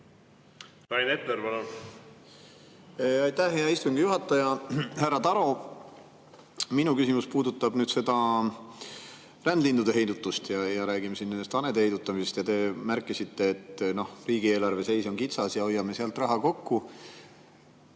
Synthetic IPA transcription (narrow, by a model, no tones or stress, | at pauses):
ɾɑjnet̪ːeɾvɑno | ɑjt̪ːæhɦeɑist̪uŋɡ̥ijuɦɑt̪ːˑɑjɑhærːɑt̪ɑɾo̞ | minukysimuspuːd̪ut̪ːˑɑb̥nyːd̪se̞d̪̥ɑ | rænd̪lind̪ud̪e̞ɦe̞jd̪ut̪ːˑust̪jɑjɑɾæːɡ̥imesinːend̪est̪ɑned̪ehe̞jd̪ut̪ːˑɑmise̞st̪jɑt̪e̞mærkːˑisit̪ːe̞ːt̪ːno̞hriːɡ̥ie̞ːlɑrve̞se̞jso̞nkit̪sɑsjɑo̞jːɑme̞seɑlt̪ˑrɑɦɑko̞kːu